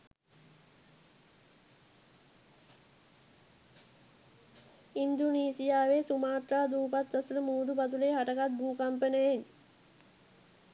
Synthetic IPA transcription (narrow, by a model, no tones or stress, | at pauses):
ind̪uniːsijaːʋeːsumaːt̪raːd̪uːpat̪ɾɐsuləmuːd̪upɐt̪uleɦaʈəkat̪̚bʱuːkɐmpənejen